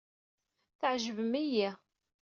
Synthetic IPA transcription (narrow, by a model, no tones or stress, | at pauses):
θəʕʒəvəmiji